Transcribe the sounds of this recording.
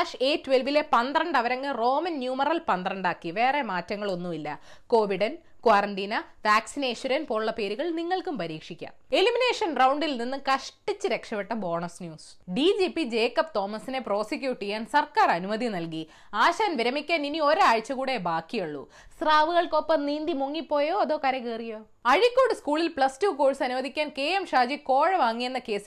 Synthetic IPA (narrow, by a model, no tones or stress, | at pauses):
ʂe̞ːtːʋelʋile̞pɐnd̪rɐɳɖɐʋɐɾɐŋɡero̞ːmɐnːjuːmɐrɐlpɐnd̪rɐɳɖaːkːiʋe̞ːremaːtːɐŋːɐɭo̞nːuilːɐ | ko̞ːʋiɽɐn | kwaːrɐɳɖiːnɐʋaːksineːʂɐɾɐnpo̞ːɭuɭːɐpe̞ːɾuɣɐɭniŋːɐɭkumpɐɾiːkʂikʲːa̰ːne̞limine̞ːʂɐnrɐwɳɖilninːɨkɐʂʈit͡ɕːɨɾe̞kʂɐpeʈːɐbo̞ːɳɐsnjuːs | ɖid͡ʑiːpːid͡ʑe̞ːkːɐp̚t̪o̞ːmɐsine̞pro̞ːsik̬ʲːjuːʈːijaːnsɐrkaːrɐnumɐðinɐlki | aːɕaːnʋiɾɐmikʲːaːninio̞ɾaːɻt͡ɕːɐkuːɽe̞baːkːijoɭːṵ | sraːʋɨɣɐɭko̞pːɐmniːnd̪imoŋːipːo̞ːjo̞ːɐðo̞ːkɐɾekeːrijo̞ː | ɐɻikʲːoːɽɨskuːɭilpɭɐstuːkoːɻsɐnuʋɐðikʲːaːnke̞ːemʂaːd͡ʑiko̞ːɻɐʋaːŋːije̞nːɐke̞ːsi